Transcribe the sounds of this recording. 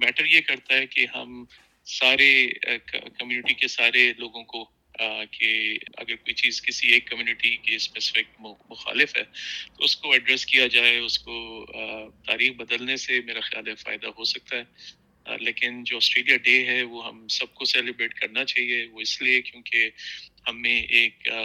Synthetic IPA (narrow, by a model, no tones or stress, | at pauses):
mɛːʈəɾjekɐɾt̪aɦɛkeɦɐ̰m | saːɾekkɐmjuːnɪʈikesaːɾeloːɡõko | keɐ̰ɡəɾkoːit͡ʃiːzkɪsieːkːɐmjuːnɪʈikespɛːsɪ̥fɪk̚mʊxa̰ːlɪfɦɛ̰ːt̪oʊskoɐɖɾɛskijad͡ʒaːeʊsko | t̪aːɾiːxbɐd̪əlnesemeːɾaxɪja̰ːlɛfa̰ːɪd̪aɦosɐk̚t̪aɦɛ | leːkɪnd͡ʒoːɔːsʈɾeːlijaɖeːɦɛʋoɦɐ̰msɐb̚kosɛːlɪbɾeːʈkɐɾnat͡ʃaːɦieʋoɪsliekjõːkehɐmːẽʔeːk